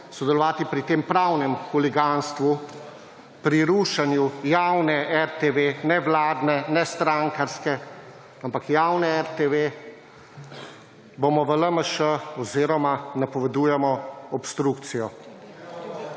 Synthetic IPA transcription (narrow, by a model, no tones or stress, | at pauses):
sɔd̪ɛlɔʋaːt̪ipɾit̪eːmpɾawnɛmkɔlɛɡanst̪ʋu | pɾiɾuːʃanjujawnɛʔɛɾt̪eʋenɛʋlaːd̪nɛnɛst̪ɾaŋkaɾskɛ | ampakjawnɛɛɾt̪eʋe | bomɔʋələməʃəɔziːɾɔmanapɔʋɛd̪uːjɛmɔɔpst̪ɾukt̪sijɔ